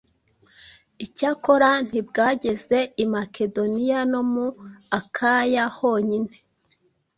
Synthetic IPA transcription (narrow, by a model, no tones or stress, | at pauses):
icaːko̞ɾan̥ibɡaːɟe̞ze̞imake̞do̞nijano̞muakʰajaho̞ɲine̞